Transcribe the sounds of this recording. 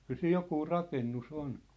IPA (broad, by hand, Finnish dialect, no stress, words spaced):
kyl siːj jokuː rɑkenːus on